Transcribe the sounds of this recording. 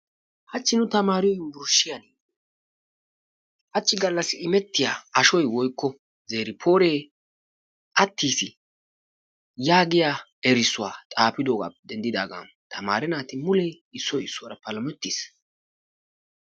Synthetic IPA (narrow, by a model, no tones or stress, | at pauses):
hɐt͡ʃːɪnʊt̪ɐmaːɾɪjɔjbʊɾʃːɪjani | hɐt͡ʃːɪɡɐlːɐsːɪɪmɛt̪ːɪjaːɐʃɔjwɔjkːɔ | zeːɾɪpʰo̞ːɾeː | ʔɐt̪ːiːsɪ | jaːɡɪjaː | ɛɾɪsːʊwa̰ːt̪ʼaːpɪd̪oːɡa̰ːd̪ɛnd̪ɪd̪aːɡa̰n | t̪ʰɐma̰ːɾɛnaːt̪ɪmʊlɛj | ɪsːɔjɪsːʊwaɾɐpɐlɐmɛt̪ːɪs